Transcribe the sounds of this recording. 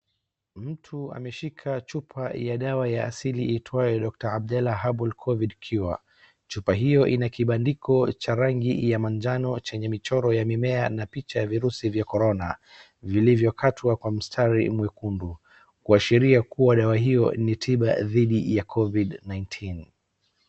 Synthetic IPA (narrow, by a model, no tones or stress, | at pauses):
m̩tʰua̰mɛʃikʰat͡ʃupʰajaɗawaja̰ːsiliːtʰwajɔɗɔk̚taab̚ɗɛlaɦaɓulkʰɔviɗkʰiwa̰ | t͡ʃupaɦijɔʔinakiɓandikʰɔt͡ʃaɾaŋɡijamand͡ʒanɔt͡ʃɛɲɛmit͡ʃɔɾɔjamimɛanapit͡ʃajaviɾusivjakɔɾɔna | vilivjɔkʰatʰwakwam̩stʰaɾḭmwɛkundu | kuaʃiɾiakuwaɗawahijɔnitʰiɓa̰ðiɗijakʰɔvidnajntʰin